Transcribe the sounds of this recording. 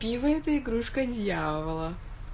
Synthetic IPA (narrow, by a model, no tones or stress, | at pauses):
pʲivəɛt̪əɪɡɾuʂkədʲjavəlˠə